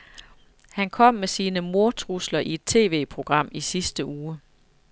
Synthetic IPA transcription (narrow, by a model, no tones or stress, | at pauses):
hænkʰɒ̽m̰mesiːnəmo̝ɐt͡sʰʁuslɐʔie̝d̥̚t͡sʰe̝̰ːʋe̝̰ːpʰʁo̝ɡ̥ʁɑ̈m̰isisd̥əʔuː